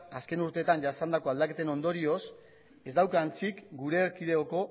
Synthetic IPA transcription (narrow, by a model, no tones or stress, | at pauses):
aske̞nuɾt̪e̞ːt̪anɟasand̪ako̞ald̪ake̞t̪e̞no̞nd̪o̞ɾio̞s | e̞zd̪awkant͡sikɡuɾe̞ːɾkið̞e̞oko̞